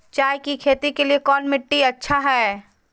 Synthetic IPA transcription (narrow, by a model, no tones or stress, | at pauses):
t͡ʃaːjkikʰeːt̪ikeliekɔːnmɪʈːiɐtːʃʰaɦɛː